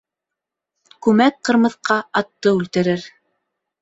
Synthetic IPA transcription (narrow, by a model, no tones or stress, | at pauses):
kʉmæk̚qɤ̆ɾmɤ̆θqɑɑt̪ːɤʉlt̪ɘ̆ɾɘɾ